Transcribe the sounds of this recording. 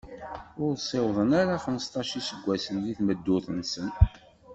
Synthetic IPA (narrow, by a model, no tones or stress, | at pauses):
ʊɾsˤewðˤənaɾaχəməst̪ɑʃisəɡʷːæsənðiθməd̪ːʊθənsən